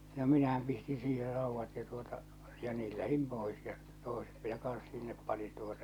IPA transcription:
no minæhæm pistĩː siːher rɑˑuʋːɑt jɑ tuotɑ jɑ niːl læhim pois jɑ toˑe̝set minæ kɑn̞s sinːep pɑnin tuotɑ

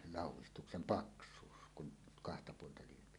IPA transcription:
lɑˑuwˑistuksem pɑksˑuːs kun kɑhtɑ puoltɑ lyøpi

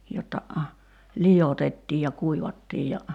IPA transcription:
jotːɑ lijotetːiːj jɑ kuiʋɑtːiːj jɑ

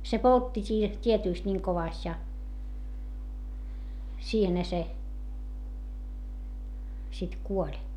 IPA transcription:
se poltːi siːh tietyˑst nʲiŋ koʋɑˑst jɑ siːhenhæ se sit kuolʲ

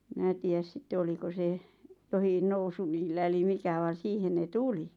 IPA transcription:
minæ tiːæs sitːe oliko se johin nousu niːlːæ eli mikæ ʋɑˑn̞ siːhen ne tuli

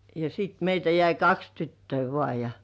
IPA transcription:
jɑ sit meitæ jæi kɑks tytːøi ʋŏɑˑ jɑ

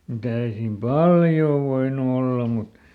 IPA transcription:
mut ei siːm pɑljoː ʋoinu olːɑ mut

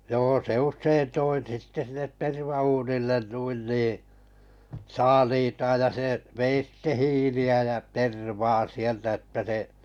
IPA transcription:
joː se uʃsein toi sitːe sinːet terʋɑuːnilːen nuin niː sɑːliːtɑːj jɑ se ʋei sitːe hiːliæ jæ terʋɑː sieltæ etːæ se

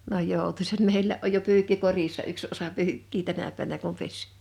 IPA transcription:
n oj joˑutusɑt meilːæʔ ʔoj jo pyːkːi korisːɑ yks osɑ pyːkːiː tænæ pæˑnæ kum pes

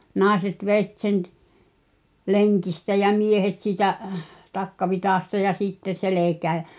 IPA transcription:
nɑˑeset ʋet sen t leŋkistæ j̆æ̆ miehet siːtæʔ tɑkːɑʋitɑˑstɑ jɑ sitːe selekæː j̆æ̆

